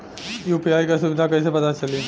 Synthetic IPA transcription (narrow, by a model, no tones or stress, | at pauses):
juːpiaːjkasuʋɪd̪ʱakəːsepɐt̪at͡ʃɐleː